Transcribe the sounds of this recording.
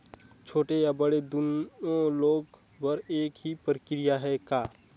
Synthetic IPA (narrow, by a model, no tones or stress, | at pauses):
t͡ʃʰoːʈejabəɽed̪unõloːɡ | bəɾeːkɦipɾəkɾijaɦɛkaː